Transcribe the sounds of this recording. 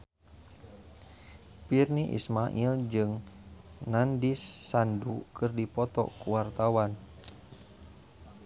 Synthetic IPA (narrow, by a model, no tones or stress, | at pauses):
pirniʔḭsmaʔild͡ʒɨŋ | nandisːandukɨrdipɔt̪ɔ̰kuwart̪awan